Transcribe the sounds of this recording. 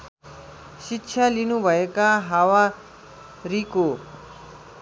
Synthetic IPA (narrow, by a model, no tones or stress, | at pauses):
ʃikːʃʰalinũbʱəjekaɦaʋa | ɾiko